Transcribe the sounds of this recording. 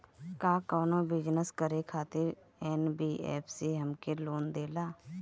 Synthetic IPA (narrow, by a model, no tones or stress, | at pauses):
kaːkɔːnõːbɪd͡ʒnəskəɾekʰaːt̪ɪɾ | ɛːnbiːʔɛ̰ːpʰseːɦəmkeloːnd̪eːlaː